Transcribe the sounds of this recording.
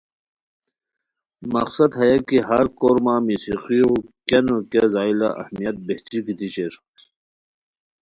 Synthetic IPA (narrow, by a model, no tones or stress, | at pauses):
mɐ̰qsɐd̪hɐjakiɦɐɾkoːɾmaːmisiqiokɐnokɐzaːila̰ʔɐ̰hmijɐt̪̚beht͡ɕikit̪iɕeɾ